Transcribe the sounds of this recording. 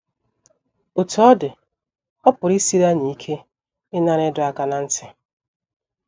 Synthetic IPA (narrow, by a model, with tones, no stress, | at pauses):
ʊ˨tɔ˦dɪ˨ | ɔ˦pʊ˨ɾi˦si˦ɾa˦ni˨˦i˦kʰe˦ | ɪ˦na˦ɾɪ˦dʊ˦a˦ka˦na˨n̩˦tɪ˦